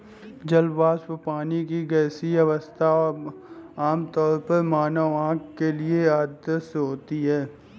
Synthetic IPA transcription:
d͡ʒɐlbaːspəpaːnikiɡɛːsiɐʋəst̪ʰa | aːmt̪ɔːɾpəɾmaːnəʋãːkkelieaːd̪əsɦoːt̪iɦɛː

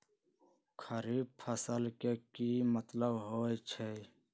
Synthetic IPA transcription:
kʰəɾiːbpʰəsəlkekimət̪ləbɦoːet͡ʃʰe

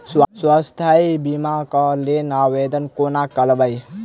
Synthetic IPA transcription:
swswast̪ʰajbimakɔlenawed̪ənkonakəlbəj

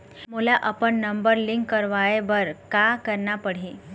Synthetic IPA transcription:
mulaʔəpəɳːəmbəɾliŋkːəɾʋaebəɾkakəɾɳapəɽ̤i

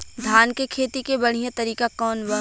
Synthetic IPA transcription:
d̪ʱaːnkekʰeːt̪ikebɐɽ̤ijãt̪ɐɾiːkakɔːnʋɐ

